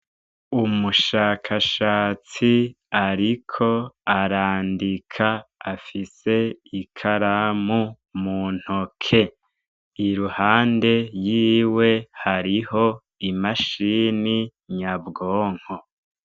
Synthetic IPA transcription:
umuʃaːkʰaʃaːt͡si | aɾikʰo̞aɾaːndikʰaːfise̞ikʰaɾamu | mun̥hokʰe̞ | iɾuhaːnde̞jiːwe̞haɾiho̞ | imaʃiːniɲabɡoːŋ̥ho̞

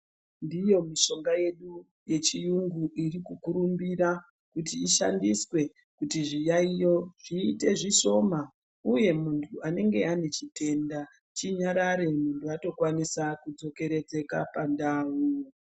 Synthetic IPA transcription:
ndijo̞miʃo̞ŋɡaje̞ɗu | je̞t͡ʃijuŋɡuʔirikukuɾumbiɾa | kutiːʃa̰ndiswe̞ | kutiʐijaijo̞ʐ̥iːte̞ʐiʃo̞ma | uje̞muntʰuane̞ŋɡe̞ane̞t͡ʃite̞nda | t͡ʃiɲaɾaɾe̞muntʰuato̞kwanisakud͡zo̞ke̞ɾe̞d͡ze̞kapandaːwu

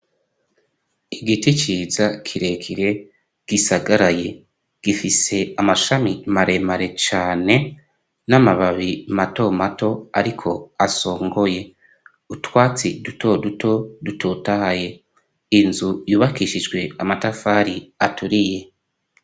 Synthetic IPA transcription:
iɡitit͡ʃiːzakʰiɾe̞kʰiɾe̞ | ɡ̥isaɡaɾaje̞ | ɡ̥ifise̞amaʃamimaɾe̞maɾe̞t͡ʃaːne̞ | namaβaβimato̞mato̞aɾikʰo̞aso̞ːŋɡo̞je̞ | utwaːt͡siduto̞duto̞dutotahaje̞ | inzujuːβakiʃid͡ʒɡwe̞amatafaɾiatuɾije̞

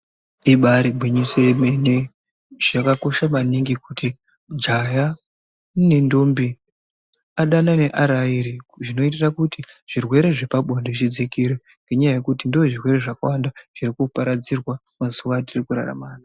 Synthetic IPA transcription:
iɓaɾibwiɲisemene | ʐ̥akako̞ʃamaniŋɡikuti | d͡ʒaja | ne̞ndombi | aɗanane̞ʔaɾaiɾiʐino̞itirakutiʐ̥irwe̞ɾe̞ʐepaɓʱondot͡ʃid͡zikiɾe | ŋɡeɲajaje̞kutindooʐirwe̞ɾe̞ʐakawandaʐ̥iɾikupaɾad͡zirwa | mazuʋatirikuɾa̰ra̰maːna

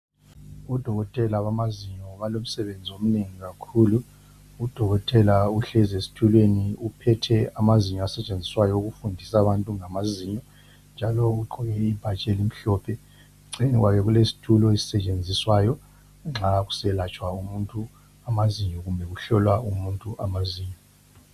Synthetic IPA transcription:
ud̥ʱɔɣɔtʼɛlaβamaziɲɔβalom̩sɛβend͡zʱiom̩neŋiɣakʰuːlu | ud̥ʱɔɣɔtʼɛlauɬɛzesi̥tʰulweniupʰɛtʰɛamaziɲɔasɛt͡ʃʼend͡zʱiswajɔuɣufundʱisaβantʼuŋamaziːɲɔ | nd͡ʒʱalɔuǃɔɣɛib̥ʱat͡ʃʼelim̩ɬɔːpʰɛ | ŋ͡ǀeniɣwakɛɣulesi̥tʰulɔesi̥sɛt͡ʃʼend͡zʱiswajɔ | ŋ͡ǁaɣu̥sɛlat͡ʃʼwaumuntʼu | amaziɲɔɣumbʱɛɣuɬɔlwaumuntʼuʔamaziːɲɔ

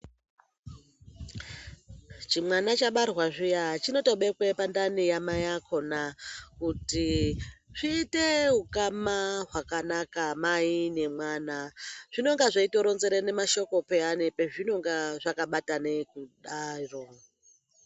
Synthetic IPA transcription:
t͡ʃimwanat͡ʃaɓarwaʐijat͡ʃino̞to̞ɓe̞kwe̞pandanijamajakʰo̞nakuti | ʐ̥iːteɦukamaɦwakanakamaine̞mwaːnaʐ̥ino̞ŋɡaʐaitoɾo̞nzeɾene̞maʃo̞ko̞peanepeʐino̞ŋɡaʐakaɓatanekuɗaro

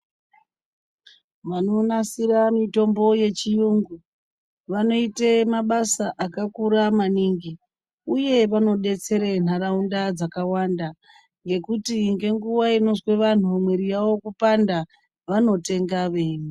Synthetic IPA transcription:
ʋano̞nasiɾamito̞mbo̞je̞t͡ʃijuŋɡu | ʋano̞itemaɓasaʔakakuɾamaniŋɡi | uje̞ʋano̞ɗe̞t͡se̞ɾen̤aɾaundad͡zakawanda | ŋɡe̞kutiŋɡe̞ŋɡuwaino̞zwe̞ʋan̤umweɾijawo̞kupanda | ʋano̞te̞ŋɡaʋeːni

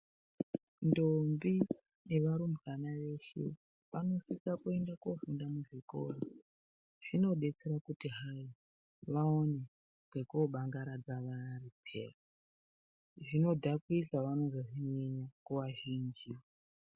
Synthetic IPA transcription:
ndombi | neʋaɾumanaʋe̞ʃḛ | ʋano̞sisakue̞ndako̞fundamuʐikoro | ʐ̥ino̞ɗe̞t͡se̞ɾakutiɦai | ʋaone | ɡwekoɓaŋɡaɾad͡zaʋaripʰe̞̰ra | ʐino̞dʱakisaʋano̞zoʐiɲeɲakuʋaʒind͡ʒiwa

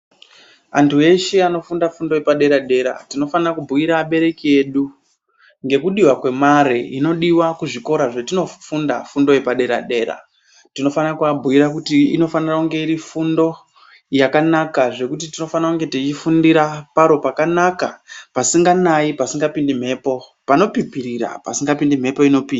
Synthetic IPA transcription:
antʰue̞ʃeano̞fundafundo̞jepaɗe̞ɾaɗe̞ɾa̰tino̞fanirakubʱuiɾaɓe̞ɾe̞kie̞ːɗu | ŋɡe̞kuɗiwakwe̞maɾeino̞ɗiwakuʐiko̞ɾaʐetino̞funda̰fundo̞je̞paɗe̞ɾa̰ɗe̞ːɾa̰ | tino̞faniakuabʱuiɾakutiino̞fanirakuŋɡe̞iɾifundo̞ | jakanakaʐe̞kut̬itino̞faniakuŋɡe̞tit͡ʃifundiɾapaɾo̞pakanakapasiŋɡanaipasiŋɡapindim̤e̞ːpo̞ | pano̞pipiɾiɾa̰pa̰siŋɡapindim̤e̞po̞ino̞piːd

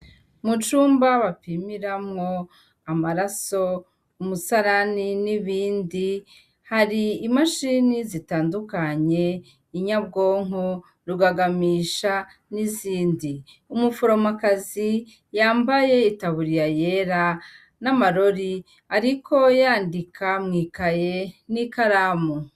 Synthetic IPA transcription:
mut͡ʃuːmbaβapimiɾamŋo̞ | amaɾaso̞ | umusaɾaniniβiːndi | haɾiːmaʃinizitaːndukaɲe̞ | iɲab̚ɡo̞ːŋ̥o | ɾuɡaɡamiːʃa | niziːndi | umufoɾomakazi | jaːmbaje̞itaβuɾijaje̞ɾa | namaɾo̞ɾi | aɾiko̞jaːndikʰamŋiːkaje̞nikaɾaːmu

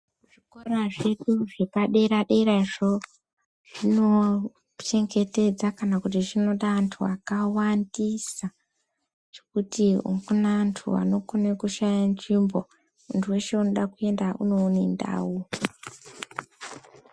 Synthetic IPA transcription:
uʐiko̞raʐe̞ɗuʐe̞paɗeiɾaɗeiɾaiʐo | ʐ̥ino̞ | t͡ʃe̞ŋɡe̞te̞d͡zakanakutiʐino̞ɗaːntʰuakawandisa | t͡ʃe̞kutiṵɡunantʰṵa̰no̞konekuʃajanʐimbo̞ | untʰuwe̞ʃe̞uno̞ɗakue̞ndaṵno̞ːnenda̰ːwu

